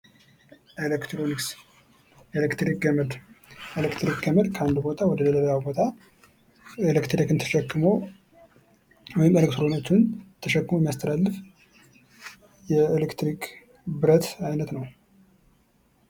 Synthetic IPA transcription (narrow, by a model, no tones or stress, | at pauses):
ʔelekt̪ɾoniks | elekt̪ɾik̚ɡəməd̪elekt̪ɾik̚ɡəməd̪kʰəand̪ubo̞t̪ʰawɔd̪ələlələjawbo̞t̪ʰa | elekt̪ɾikɨnt̪ʰə̥ʃɛkːɨməw | wɔjɪmelekt̪ɾo̞niksunt̪ʰəʃɛkːɨmojmːijast̪ʰəlalːɨf | jɛelekt̪ɾikʰ | bɨɾət̪ajnət̪nəw